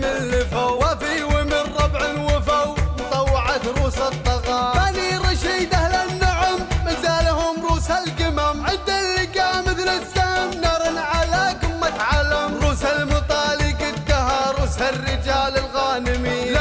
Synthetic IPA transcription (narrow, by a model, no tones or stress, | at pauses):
mɪnlːɪfawwafiwɪmɪnɾˤɑbʕɪlwɪfawmʊt̪ˤɑwːɑʕat̪ɾˤuːsat̪ˤːɑɣɑːaniɾˤɑʃiːd̪ahlanːʊʕʊmːɪzaːlahʊmɾˤuːsalɡɪmamʕɪnd̪alːɪkaːmɪθlɪsahɪmnɑɾˤɨnʕalaːkɪmːat̪ʕalamɾˤuːsalmʊt̪ˤɑːlikɪd̪ahaɾˤuːsharːɪd͡ʒaːlɪlɣaːnɪmiː